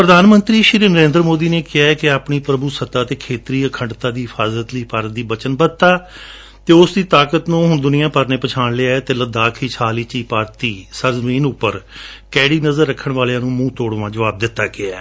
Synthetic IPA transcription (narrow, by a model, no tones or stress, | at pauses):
pɾəd̪aːnmə̃nt̪ɾiːʃɪɾiːnəɾẽːnd̪ɾmoːd̪iːneːkɪaːɛːkɪaːpɳiːpɾəbuːsət̪aːt̪eːkʰeːt̪ɾiːəkʰəɳɖt̪aːd̪iːɦɪpʰaːzət̪liːpaɾ̚d̪iːbət͡ʃənbət̪aː | t̪eːʊsd̪iːt̪aːkət̪nũːɦʊɳd̪ʊnijãːpəɾneːpət͡ʃʰaːɳlɪaːɛːt̪eːləd̪aːkʰiːt͡ʃʰaːliːt͡ʃiːpaːɾt̪iːsəɾzəmiːnʊpːəɾkɛːɽiːnəzəɾːəkʰːəɳʋaːlãːnũːmũːt̪oːɽʋãːd͡ʒəʋaːb̚d̪ɪt̪ːaːkɪaː